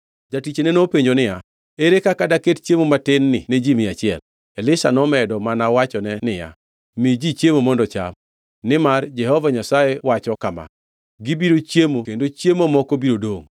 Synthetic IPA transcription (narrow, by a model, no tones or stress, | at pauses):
d͡ʒatit͡ʃenɛnopeɲd͡ʒonɪja | eɾekakadakett͡ʃjemomatɪnːɪned͡ʒimɪat͡ʃɪɛl | ɛlɪsa̰nɔmɛdɔmanawat͡ʃɔnɛnɪja̰ | mid͡ʒit͡ʃjemomɔndɔt͡ʃa̰m | nɪmard͡ʒɛhɔvaɲasajewat͡ʃɔkama̰ | ɡibiɾot͡ʃjemokendot͡ʃjemomɔkobiɾodoŋ